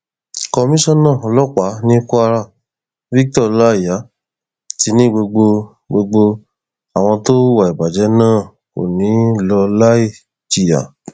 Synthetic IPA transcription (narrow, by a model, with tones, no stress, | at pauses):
kɔ˧mĩ˦ʃɔ̃˦˨nã˦˨ɔ˧lɔ˦k͡pa˨˦nĩ˦ku˦a˧ɾa˦˨ | vi˦k̚tɔ˦˨˧la˦i˦˨ja˨˦ | ti˨˧˦nĩ˦ɡ͡bo˧ɡ͡bo˧ | ɡ͡bo˧ɡ͡bo˧ | a˨w̃ɔ̃˧to˦wa˨i˨ba˨d͡ʒɛ˨˦nãː˦˨ | ko̰˨nĩ˨˦˨lɔ˧la˦i˦˨ | d͡ʒi˨ja̰˨